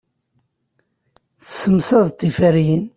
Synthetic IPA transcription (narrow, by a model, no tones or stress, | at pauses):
θəsəmsɑðˤt̪ˤːifæɾjən